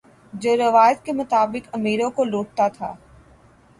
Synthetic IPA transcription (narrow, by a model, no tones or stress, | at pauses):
d͡ʒoːɾɐʋaːjət̪̚kemʊt̪aːbɪkɐmiːɾõkoloːʈ̚t̪at̪ʰa̰ː